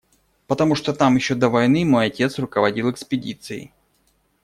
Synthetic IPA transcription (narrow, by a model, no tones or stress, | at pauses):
pət̪ɐmuʂt̪ot̪amjɪɕːod̪əvɐjnɨmo̞jɐtʲe̞t̪srʊkəvɐdʲilˠɛkspʲɪdʲit̪sɨɪ̰